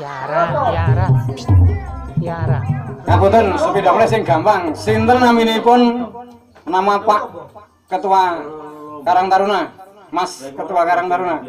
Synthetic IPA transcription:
kaput̪ənsəpidaplɛsɪŋɡ̥ampaŋsɪnt̪ərnaminipʊn | namapaʔ | kət̪ua | kaɾaŋt̪aɾuna | maskət̪uakaɾaŋt̪aɾuna

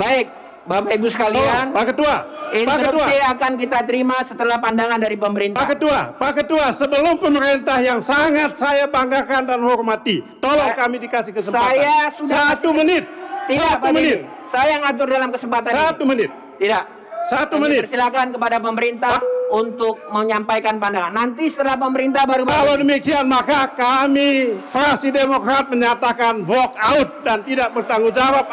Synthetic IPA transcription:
baɪk̚ | bamaibusə̥kalianpakət̪ːuaipak̪ət̪uaiakank̬it̪at̪əɾimasət̪əlahpandaŋandaɾipəməɾintpaahkət̪uapakət̪uasəbəlʊmpəməɾɛnt̪ahjaŋsaŋat̪̚sajabaŋɡakandanhɔɾmat̪it̪olɔŋkamidikasihkəsəmsajasudaatumənɪt̪̚ːisatpamənɪ | sajaŋat̪ʊrdalamkəsəmpat̪asat̪umənɪt̪̚ː | idaʔ | sat̪umənɪərsilakankəpadapəməɾint̪ahunt̪ʊk̚məɲampajkanpandaŋanːant̪isə̥t̪əlahpəməɾint̪ahbaɾubaalawdəmikianmakakamifɾaksidemokɾat̪̚məɲat̪akanvɔk̚aʊt̪̚dant̪idak̚bərt̪aŋud͡ʒawap̚

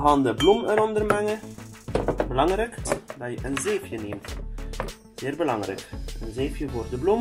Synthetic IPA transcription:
ɣɑːndəbluməɾɔndərmɛŋə | bəlɑŋrɛkdɑjəʔənzeːfjənemt | z̥ɪːrbəlɑŋrɛ̰kənzeːfjəvoːrdəblum

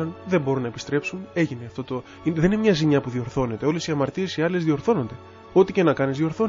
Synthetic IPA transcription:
ɐnðe̞mbo̞ɾunɐepi̥st̪ɾe̞psune̞ʝine̞ɐft̪o̞t̪o | iðninemɲɐzimɲɐpuðio̞ɾθo̞ne̞t̪e̞o̞le̞siɐmɐɾt̪ie̞siɐlezðio̞ɾθo̞no̞nd̪e̞ | o̞t̪ice̞nɐkɐnizðio̞ɾθo̞

